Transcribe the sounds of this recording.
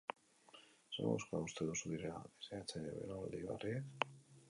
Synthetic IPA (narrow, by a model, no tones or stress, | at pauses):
sḛmo̰wskoaust̪e̞ðusuðiɾea̰βeseat͡seɾeβḛlold̪iβa̰ri